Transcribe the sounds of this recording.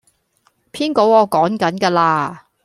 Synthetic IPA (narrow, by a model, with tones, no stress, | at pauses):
pʰiː˥nko˨˥wɔː˨˧kɔː˨˥ŋkɐ˨˥nkɛː˧laː˧